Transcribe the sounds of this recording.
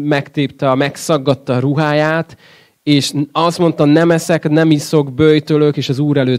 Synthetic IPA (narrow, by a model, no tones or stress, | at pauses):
mɛkt̪eːpt̪ɛɒmɛksɒɡːɒt̪ːɒɾuɦaːjaːt̪ | eːʃɒst̪mo̞nt̪ɒnɛmɛsɛknɛmiso̞ɡbøjt̪øløkeːʃɒzuːɾɛløː